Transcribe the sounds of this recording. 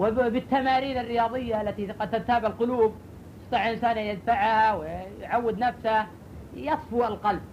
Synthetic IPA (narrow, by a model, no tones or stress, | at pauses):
wɪbɪt̪ːamaːɾiːnarːɪjɑːðˤɨjːaalːat̪iqɑd̪̚t̪at̪aːbaʕalqʊluːb̚ | sɑt̪ˤɑʕʔɪnsaːnjɪd̪faʕhawɪjʕawːɪd̪nafsa | jɑsˤfualqɑlb̚